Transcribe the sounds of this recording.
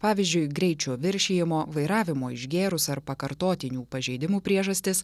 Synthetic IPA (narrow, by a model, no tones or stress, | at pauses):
pɑːʋʲɪzʲd͡ʒʲʊɪɡɾʲɛɪt͡ʃʲoːʋʲɪɾʲʃʲeːjɪmoːʋɐɪɾɑːʋʲɪmoːɪʒʲɡʲeːɾʊsɐɾpɐkɐɾt̪oːt̪ʲɪnʲuːpɐʒʲɛɪd̪ʲɪmuːpʲɾʲiɛʒɐsʲt̪ʲɪs